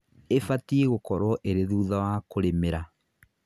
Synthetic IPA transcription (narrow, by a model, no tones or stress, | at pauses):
efatieɣokɔɾwɔʔeɾeðuːðawakoɾemeɾa